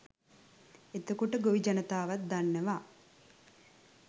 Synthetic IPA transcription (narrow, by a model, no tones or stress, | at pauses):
et̪əkuʈəɡoʋid͡ʒɐnət̪aːʋat̪̚d̪anːəʋaː